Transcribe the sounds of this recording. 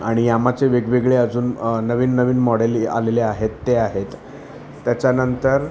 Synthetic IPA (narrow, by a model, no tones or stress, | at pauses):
aɽ̃ijamat͡seʋeɡʋeɡɭeəd͡zuːnnəʋiːnːəʋiːnmɔɽelea̰leleaɦet̪ːeaɦet̪ː | jat͡ɕjanənt̪əɾ